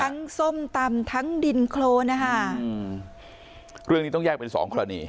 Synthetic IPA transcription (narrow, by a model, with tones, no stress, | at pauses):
a˦˧˥ŋso˥˩mt̪a˧mt̪ʰa˦˥ŋdi˧nkʰloː˧na˦˥kʰa˥˩ | ɾɯ˥˩əŋniː˦˥t̪ɔ˥˩ŋjɛː˥˩k̚pe˧nsɔ̰ː˩˦ŋkʰo˧ɾa˧nḭː˧